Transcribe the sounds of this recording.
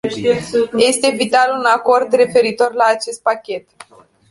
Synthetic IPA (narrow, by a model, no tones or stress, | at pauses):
je̞st̪e̞vit̪alunako̞rd̪re̞fe̞ɾit̪o̞rlaːt͡ʃe̞st̪̚pakʲe̞t̪